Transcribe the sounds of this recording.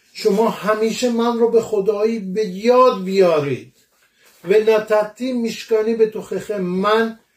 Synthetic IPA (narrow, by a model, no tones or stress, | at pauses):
ʃomɒːhæmiːʃemænrɒːbexod̪ɒːiːbejɒːd̪̚bijɒːɾḭːd̪̥̚ | vænæt̪ʰæt̪ʰiːmːiʃkɒːnibet̪ʰoxexemæn